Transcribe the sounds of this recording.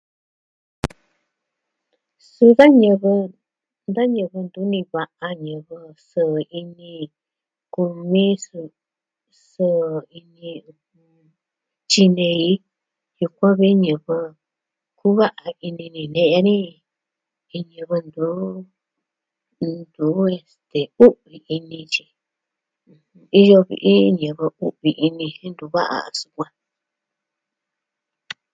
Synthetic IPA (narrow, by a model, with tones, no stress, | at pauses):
su˧ða˦ɲɨ̃˧βɨ˧ | nd̪a˦ɲɨ̃˧βɨ˧nd̪u˦nĩ˧βa˧ʔa˧ɲɨ̃˧βɨ˧sɨ˧˨˧ʔi˧nĩ˧ | ku˧mĩ˦su˧ | sɨ˧i˧nĩ˧ | t͡ʃi˧nẽ˧i˧˦ | ju˧kʷã˦βi˦ɲɨ̃˧βɨ˧ | ku˦βa˦ʔa˨i˧nĩ˧nĩ˨nẽ˧ʔa˦nĩ˦ | i˧ɲɨ̃˧βɨ˧nd̪u˨˦ | nd̪uː˨˦e˧st̪e˨u˦ʔβi˧i˧nĩ˧t͡ʃĩ˨˧˨ | hi˦jo˧βḭ˧ʔi˦ɲɨ̃˧βɨ˧u˦ʔβi˧ʔi˧nĩ˧hẽ˦nd̪u˨˧˦βa˦ʔa̰˨˧su̥˧kʷã˧